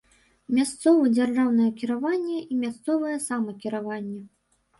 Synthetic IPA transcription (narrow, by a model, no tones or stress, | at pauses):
mʲast̪sɔvɐd͡zʲarʐawnɐjɛkʲiɾavanʲːɛʔimʲast̪sɔvɐjɛsamɐkʲiɾavanʲːɛ